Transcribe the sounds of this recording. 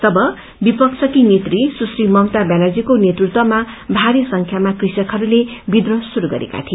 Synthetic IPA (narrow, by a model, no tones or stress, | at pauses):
t̪ʌbʌ | bipʌksʰʌkinet̪risusrimʌwt̪abjanad͡zikonjet̪rut̪wʌma | bʱaɾesʌŋkʰjamakrisjʌkɦʌɾulebid̪rʌsuɾuɡʌ̰ɾḛka̰t̪ʰi